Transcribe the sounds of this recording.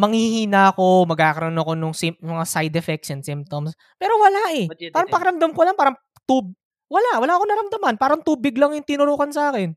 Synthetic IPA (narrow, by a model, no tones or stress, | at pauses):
mɐŋhihiːnaʔɐko̞mɐɡ̚kaːkɐɾɐnoɐkonʊŋsɪmɐŋasajd̪ɛfɛk̚ʃonsɪmp̚t̪oms | pɛːɾowɐlaʔɛpaːɾɐŋpɐkɐɾɐmd̪ɐmkolaɐŋpaːɾɐŋ | t̪ub | wɐlawɐlaʔɐkonɐɾɐmd̪ɐmanpaːɾɐŋt̪uːbɪɡlɐŋjʊŋt̪ɪnʊɾoːhɐnsɐʔaːkɛn